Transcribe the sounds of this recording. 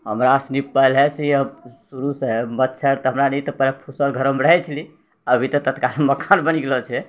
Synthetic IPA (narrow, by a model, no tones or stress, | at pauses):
ɦəmɾasnipəlɛseəsuɾusemətːt͡ʃʰəɾt̪ɔɦəmɾanɛt̪ɔpɛɦlepʰusəlɡʱəɾəmɾəɦɛt͡ʃʰəli | əbʱit̪ɔt̪ət̪kalməkʰanbəniɡelɔt͡ʃʰɛ